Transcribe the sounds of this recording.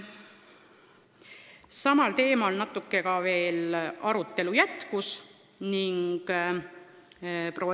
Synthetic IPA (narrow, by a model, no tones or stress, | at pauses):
sɑmɑlt̪e̞ːmolnɑt̪ːˑukːe̞kɑve̞ːlɑɾut̪ˑːe̞lujæt̪kus | niŋɡ̥ | prʔo̞w